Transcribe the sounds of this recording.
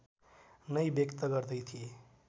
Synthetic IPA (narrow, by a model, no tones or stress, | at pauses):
nʌjbjʌkt̪əɡʌɾd̪əjt̪ʰije